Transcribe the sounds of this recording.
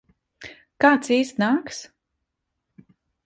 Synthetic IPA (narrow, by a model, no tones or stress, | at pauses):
kaːt̪siːsnaːks